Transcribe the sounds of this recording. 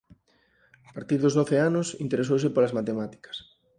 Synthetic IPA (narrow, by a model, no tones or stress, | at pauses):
apaɾt̪iɾðʊzðoθeanʊsḭnt̪eɾes̬owsɪpolɐzmat̪emat̪i̥kɐ̥s